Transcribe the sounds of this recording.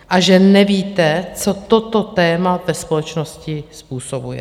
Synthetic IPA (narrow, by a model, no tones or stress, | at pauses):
ʔaʒɛnɛviːt̪ɛt͡so̞t̪ot̪ot̪ɛːmavɛspolɛt͡ʃnoscɪspuːsobujɛ̰